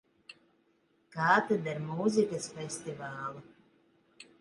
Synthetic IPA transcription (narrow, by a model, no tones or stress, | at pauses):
kaːt̪ɛd̪aɾmuzikasfɛsʲt̪ivaːlˠu